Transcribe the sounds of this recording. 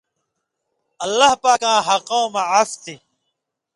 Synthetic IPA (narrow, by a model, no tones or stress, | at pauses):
ɐlːahpaːkãːɦɐqõmɐʕaft̪i